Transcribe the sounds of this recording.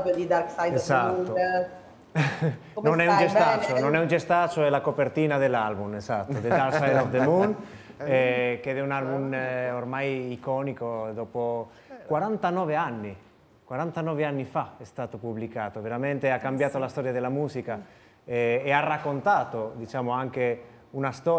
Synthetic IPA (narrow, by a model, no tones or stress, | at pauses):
ɔpod̪id̪aɾksajsatuːo | nonɛund͡ʒest̪at͡ʃononɛund͡ʒest̪at͡ʃoɛlakopert̪iːnad̪elːalbumezat̪ːod̪edd̪aɾkssajd̪ɔfd̪emun | ɛked̪ɛunalbumormajikɔːnikod̪ɔpo | kwaɾant̪anɔːveanːi | kwaɾant̪anɔveanːifaɛst̪aːt̪opublikaːt̪oveɾament̪eakːambjaːt̪olast̪ɔːɾjad̪elamuːzika | ɛearːakːont̪aːt̪od̪it͡ʃaːmoaŋke | unast̪ɔ